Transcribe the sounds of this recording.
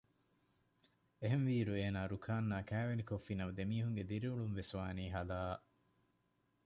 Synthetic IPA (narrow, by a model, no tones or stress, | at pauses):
eɦenʋiːɾueːnaːɾukʰaːnːaːkæːʋenikofːinɐʋɐd̪emiːɦuŋɡed̪iɾiuɭumʋesʋaːniːɦɐlaːʔ